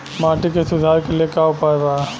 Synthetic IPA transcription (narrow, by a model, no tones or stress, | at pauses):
maːʈikesʊd̪ʱaːɾkelijekaʊpaːebaː